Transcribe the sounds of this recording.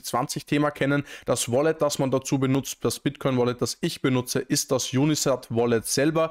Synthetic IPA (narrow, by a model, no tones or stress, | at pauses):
t͡sv̥a̰nt͡sɪçtʰeːmɐkʰɛnənd̥asvɔlɛt̚d̥asmandat͡suːbənʊt͡std̥asb̥ɪtkʰɔʏnvɔlɛt̚d̥asɪçb̥ənʊt͡səʔɪst̚d̥asjuːnisatvɔlɛtsɛlbɐ